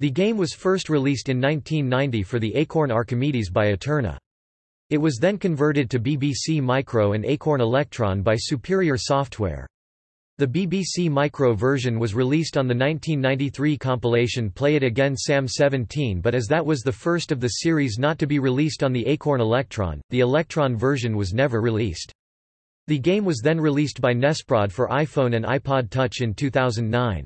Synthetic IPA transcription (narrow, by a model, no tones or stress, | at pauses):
ðɨɡẽɪ̃mwʌz̥fɜ˞st̚ɹilistɨ̃nːãɪ̃ntʰĩnːãɪ̃ntifə˞ðiʔeɪkʰɔɹnɑɹkɨmiɾizbaɪɨtʰɜ˞nə̰ | ɨt̚wʌzðɨ̃nkɨ̃ɱvɜ˞ɾɨd̚tʰɨbibisimaɪkʰɹoʊɨ̃neɪkʰɔɹnəlɛk̚tʰɹ̥ɑ̰̃nbaɪsʉpʰɪɹiə˞sɔft̚ʰwɛ̰ɹ | ðɨbibisimaɪkʰɹoʊvɜ˞ʒɨ̃nwʌzɹilistn̩ðɨnãɪ̃ntʰĩnːãɪ̃ntiθɹikʰɑ̃mpəleɪʃɨ̃npʰl̥eɪɨɾɨɡɛ̃nsæ̃msɛvɨ̃ntʰĩnbʌɾɨzðɨt̚wʌzðɨfɜ˞stʌvðɨsɪɹiznətɨbiɹilistn̩ðiʔeɪkʰɔɹnəlɛk̚tʰɹ̥ɑ̰̃nðiɨlɛk̚tʰɹ̥ɑ̃nvɜ˞ʒɨ̃nwʌznɛvə˞ɹilist | ðɨɡẽɪ̃mwʌzðɨ̃nɹilist̚b̥aɪnɛspɹɑd̥fə˞ʔaɪfõʊ̃nɨ̃na̰ɪpʰɑd̚tʰʌt͡ʃɨ̃ntʰʉθaʊzɨ̃n̩nãɪ̃n